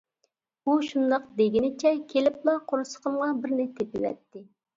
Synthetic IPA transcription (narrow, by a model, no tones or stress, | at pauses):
uʃund̪ɑqd̪eɡʲinɪt͡ʃʰɛkʲʰelɪplˠɑqʰoɾɨsə̥qʰəmʁɑbɪɾnɪt̪ʰepɪwɛ̰t̪ːɪ